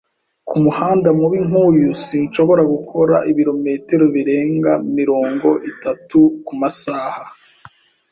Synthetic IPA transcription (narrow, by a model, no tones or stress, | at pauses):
kumuhaːndamuβiŋuːjusinʃo̞βo̞ɾaɡukʰo̞ɾa̰ʔiβiɾo̞meteɾoβiɾe̞ːŋɡamiɾo̞ːŋɡo̞ʔitatukumasaːha